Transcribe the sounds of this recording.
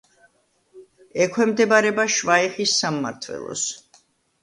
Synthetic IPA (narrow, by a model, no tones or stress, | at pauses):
ɛkʰwɛmd̪ɛbaɾɛbaʃvaiχisːamːa̰ɾt̪ʰvwɛ̰lˠɔ̰s